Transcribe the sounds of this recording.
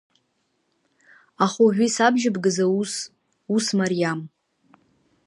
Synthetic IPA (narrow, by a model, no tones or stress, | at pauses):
aχuʕᶣʷisabʒɪbɡɨzas | usmarijam